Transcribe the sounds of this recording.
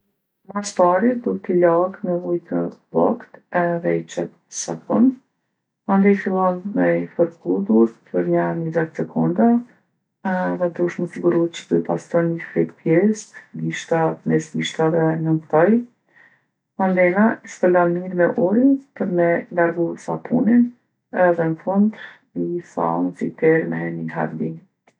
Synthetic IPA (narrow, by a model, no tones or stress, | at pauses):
mast̪aɾid̪ukɛt̪ilaɡməvujt̪əblɔ̰kt̪ɛðɛit͡ʃɛt̪ | əsa̰kɔn | and̪ɛfilˠɔnmɛfəɾkuðuɾpəɾɲaɾnizɛt̪sɛkʰɔnd̪a | ðɛd̪uʃməsiɡuɾuət̪t͡ɕə̥b̪upa̰st̪ɔnəfɾɛ̰t̪pjɛsɡiʃt̪at̪mɛsmiʃt̪aðɛnənkt̪ɔj | mand̪ɛnaiʃt̪əlanmiɾmɛʔuɾinpəɾmɛnd̪aɾɡusapʰunin | ðɛnfund̪ɾ | isa̰nsit̪ɛɾmɛniɦa̰ɾbi